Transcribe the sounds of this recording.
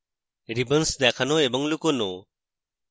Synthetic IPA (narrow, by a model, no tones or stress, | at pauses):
ɾibənsd̪akʰanɔebɔŋlukɔno